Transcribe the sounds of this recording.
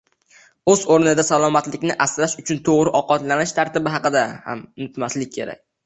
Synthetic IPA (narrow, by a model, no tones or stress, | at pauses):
ɵzoɾnɪd̪asalˠɒmat̪lɪkʲnɪʔasɾaʃʊt͡ʃʰʊnt̪ʰoʁɾɪʔɒqɒt̪lanɪʃt̪ʰaɾt̪ɪbɪɦɑqɨd̪aha̰mʊnɪt̪maslɪk̚ʲʰːe̞ɾa̰k̚ʲ